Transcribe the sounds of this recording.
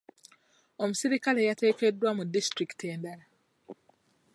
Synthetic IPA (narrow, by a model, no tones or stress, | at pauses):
omusiɾikale̞jate̞ːke̞dwamudistɾikteːndaɾa